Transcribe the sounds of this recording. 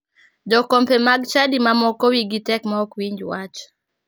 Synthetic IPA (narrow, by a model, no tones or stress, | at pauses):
d͡ʒɔkɔmpɛmaɡt͡ʃadimamɔkɔwiɡitɛkmaɔkwiɲd͡ʒwat͡ʃ